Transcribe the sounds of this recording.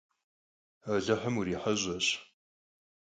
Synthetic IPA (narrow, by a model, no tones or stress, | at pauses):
aɮɐħəmuɾiːħɐʑʷɐɕ